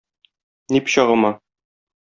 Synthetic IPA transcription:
nipɕɑʁɤ̆mɑ

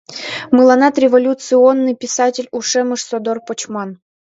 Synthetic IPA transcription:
mɨlˠɑnɑt̪ɾʲevolʲut̪sɨonːɨjpʲɪsatʲɪlʲuʂɛmɨʂsod̪orpot͡ɕmɑn

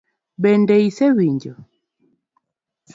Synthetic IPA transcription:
bɛndɛisɛwiɲd͡ʒɔ

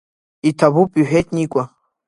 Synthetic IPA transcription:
itʰabupʼyħᶣetʰʼnikʷʼa

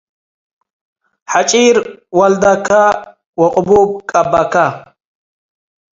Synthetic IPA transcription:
ħat͡ʃʼiɾwɐld̪akʰa | wɐqʼʊbub̚kʼɐbaka

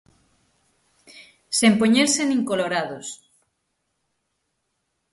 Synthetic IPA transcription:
sempoɲeɾsenĩŋkoloɾaðos

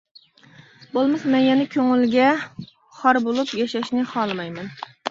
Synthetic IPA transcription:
bolˠmɨsmɛnjɛnɛkʲʰøŋɪlɡʲɛ | χɑɾbolˠupjɛʃɛʃnɪχɑlˠmɑjmɛn

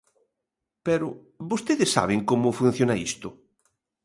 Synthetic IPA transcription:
pɛɾʊ | βost̪eðɪsːa̰β̞ɪŋkomʊfun̟θjonaist̪ʊ

